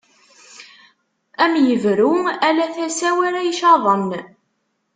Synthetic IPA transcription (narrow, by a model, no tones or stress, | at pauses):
æmjəvɾuælæθæsæwæɾæjʃɑðˤən